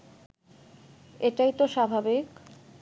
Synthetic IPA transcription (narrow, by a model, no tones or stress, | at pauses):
eʈajt̪oʃabʱabik